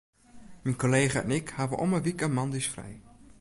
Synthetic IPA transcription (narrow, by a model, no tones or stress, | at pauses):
minkoleːχaɛ̰nɪkhaːvəʔɔ̰məʋikəmɑndisfrɛ̰j